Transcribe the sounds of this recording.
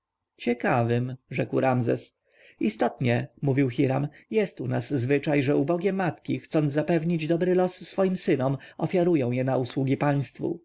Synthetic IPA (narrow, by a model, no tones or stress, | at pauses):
t͡ɕɛkavɘmʐɛkwɾamzɛ̰s | ist̪ɔt̪ɲɛmuvʲiwxiɾamjɛst̪unaszvɘt͡ʂajʐɛubɔɡʲɛmat̪kʲixt̪sɔnzzapɛvɲid͡ʑd̪ɔbɾɘlɔsːfɔjimsɘnɔmɔfʲjaɾujɔ̃w̃jɛnauswuɡʲipaj̃st̪fṵ